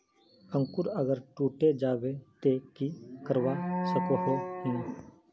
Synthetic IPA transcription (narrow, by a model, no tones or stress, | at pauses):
ə̃ŋkʊɾəɡəɾʈuːʈed͡ʒaːwet̪ekikəɾwasəkoɦeɦɛ̃ː